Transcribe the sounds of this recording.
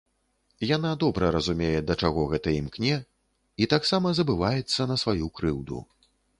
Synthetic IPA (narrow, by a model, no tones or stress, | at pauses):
jan̪ad̪ɔbɾɐɾɐzumʲejɛd̪ɐt͡ʂaɣɔɣɛt̪ɐimknʲɛ | it̪aksamɐzɐbɨvajɛt̪sːɐnɐsvajukɾɨwd̪ṵ